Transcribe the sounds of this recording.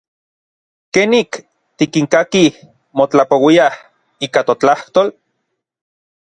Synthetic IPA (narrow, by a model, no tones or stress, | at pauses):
kenik | t̪ikiŋkakih | mot͡ɬapowiah | iːkat̪ot͡ɬaht̪oːl